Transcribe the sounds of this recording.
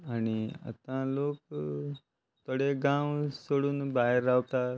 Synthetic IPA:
añiə̰t̪ãlok̚ | t̪əɽeɡãwsoɽuːnbaɦeɾːaʋt̪a

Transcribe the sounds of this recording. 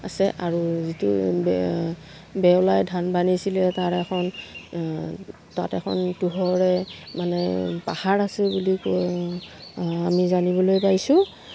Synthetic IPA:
asɛʔaɹuzitṵ | bɛwlajdʱanbanisilɛtaɹɛkʰɔn | ta̰tɛ̰kʰɔ̰ntuɦɔɹɛmanɛ̰pahaɹasɛbulik | amizanibɔlojpaɹisʊ̃

